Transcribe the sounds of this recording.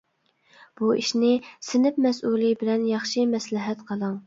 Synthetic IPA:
b̥uḭʃnɪsɪnɪp̚mɛs̬ulˠibɪlɛnjɑχʃimɛslɪɦɛt̪qʰəlˠɑŋ

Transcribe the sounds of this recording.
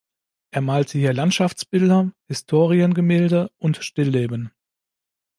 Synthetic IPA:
ʔeːɐmaːltʰəhiːɐlantʃaft͡sb̥ɪldɐhɪstʰoːʁiənɡəmeːldəʔʊntʃtɪlːeːbən

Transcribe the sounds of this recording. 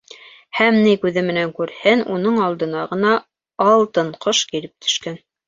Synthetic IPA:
hæmnikʉðɘmɘ̆næŋkʉɾhɘnunɤɴɑlˠd̪ɤ̆nɑʁɤ̆nɑ | ɑlˠt̪ɤɴqʰoʃkiɾɘp̚t̪ʰɵ̥̆ʃkæn

